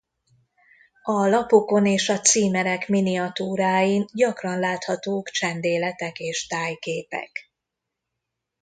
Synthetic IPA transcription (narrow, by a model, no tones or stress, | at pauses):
ɒlɒpoko̞neːʃɒt̪siːmɛɾɛkminiɒt̪uːɾaːjinɟɒkrɒnlaːt̪hɒt̪oːkt͡ʃɛnd̪eːlɛt̪ɛkeːʃt̪aːjkeːpɛ̰k